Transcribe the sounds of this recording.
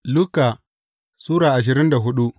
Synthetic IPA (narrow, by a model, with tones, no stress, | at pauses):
luː˦ka˨ | suː˦ɽaː˨ʔa˨ʃ̬ɪ˨ɾɪ˦nda˨ɦʊ˦ɗu˦ʔ